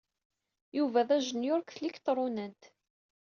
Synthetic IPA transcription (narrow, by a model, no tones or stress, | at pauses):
juvæðæʒənjʊɾkθlikt̪ɾˤʊnənt̪